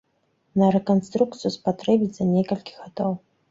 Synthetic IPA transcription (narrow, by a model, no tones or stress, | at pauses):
nɐɾekonst̪ruk̚t̪sʰɨjuspatrebʲitʲz̥anʲekɐlʲkʲi̥xad̪ow